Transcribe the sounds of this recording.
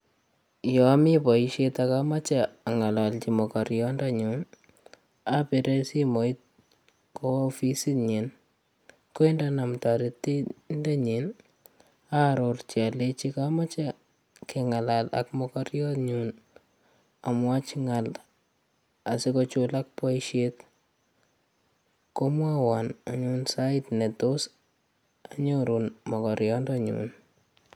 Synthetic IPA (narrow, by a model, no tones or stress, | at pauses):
jɔmipɔiʃetakamat͡ʃaːŋalalt͡ʃimɔkɔɾjɔndaɲun | apiɾesimoit̚ | kofisiɲin | koindanamtaɾitːindɛɲin | aɾort͡ʃialet͡ʃikamat͡ʃa | keŋalala̰kmɔkɔɾjɔtɲun | amwat͡ʃŋal | asikɔt͡ʃulak̚pwaiʃet | komwawanaɲunsaɪtnetos | aɲoɾunmɔkɔɾjɔndɔɲṵn